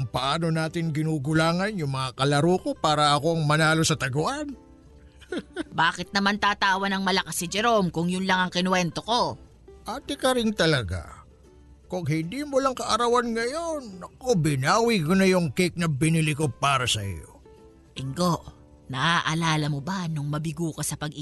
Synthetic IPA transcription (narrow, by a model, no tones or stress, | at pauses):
ɐŋpɐʔaːno̞naːt̪ɪŋɡɪnuːɡʊlaːŋɐnjʊŋmɐŋakɐlɐɾuːko̞paːɾɐɐko̞ɐŋmɐnaːlo̞sɐt̪ɐɡʊʔan | baːkɪt̪̚nɐmant̪aːt̪aːwɐnɐŋmɐlɐkasɪd͡ʒɛɾo̞mkʊŋjʊnlɐŋɐŋkɪnwɛnt̪o̞ko̞ | ʔaːt̪ɛkɐɾɪŋt̪ɐlɐɡa̰ | koŋɦɪnd̪iːmolɐŋkɐʔɐɾɐwanŋɐjonɐkobɪnaːwikonɐjʊŋkik̚nɐbɪnɪlɪkopaːɾɐsɐʔɪ̰jo̰ | ʔɪŋɡo̞ʔ | nɐʔaʔɐlaːlɐmobɐnʊŋmɐbɪɡuːkɐsɐpɐɡ